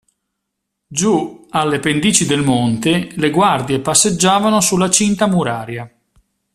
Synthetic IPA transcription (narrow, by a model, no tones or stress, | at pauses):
d͡ʒualːepend̪iːt͡ʃid̪elmont̪eleɡward̪jepasːed͡ʒːaːvanosulːat͡ʃint̪amuɾaːɾja